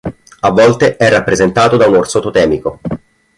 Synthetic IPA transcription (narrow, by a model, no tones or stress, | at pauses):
avːɔlt̪eʔɛrːapːɾezent̪aːt̪od̪aunorsot̪ot̪ɛːmiko